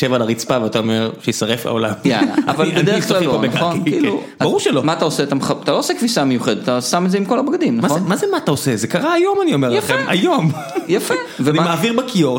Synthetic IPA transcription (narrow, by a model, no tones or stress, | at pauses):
ʃevalaʁit͡spaveat̪aomeʁʃejisaʁefla̰olamjala̰ːvalbed̪eeklaloonaχonkiːlubabaʁuʁʃelomaat̪aoseat̪amχaat̪alo̞osekvisame̞juχed̪et̪at̪asamet̪zeimko̞labɡad̪imnaaonmazemaataosezekaʁaːjo̞manio̞meʁljafema̰jo̞m | jafevenimaimaːviʁbakʰioʁ